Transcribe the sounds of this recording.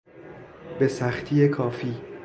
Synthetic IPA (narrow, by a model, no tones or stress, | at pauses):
be̞sæxt̪ʰiːjekʰɒːfiː